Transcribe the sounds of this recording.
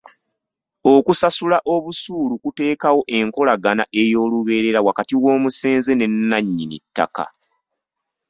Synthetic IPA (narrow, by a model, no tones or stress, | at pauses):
o̞kusasulaʔo̞βusuːlukute̞ːkawo̞ʔe̞ŋko̞laɡanaʔe̞jo̞ːluβe̞ːɾe̞ɾawakatiwoːmuse̞ːnze̞ne̞nːaɲːinḭtːa̰ka̰